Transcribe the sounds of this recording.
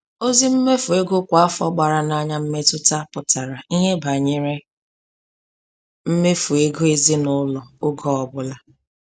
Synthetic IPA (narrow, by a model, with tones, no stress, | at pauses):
o˦zi˦m̩˦me˦fu˨e˦ɡʊ˦kʷa˨a˦fɔ˦ɡ͡ba˨ɾa˨na˦ɲa˦m̩˦me˦tʊ˦ta˦pʊ˨ta˨ɾa˨i˦ɦe˦ba˨ɲe˦ɾe˦ | m̩˦me˦fu˨e˦ɡo˦e˦zi˦nʊ˦lɔ˨ʊ˦ɡɔ˦ɔ˨bʊ˦la˦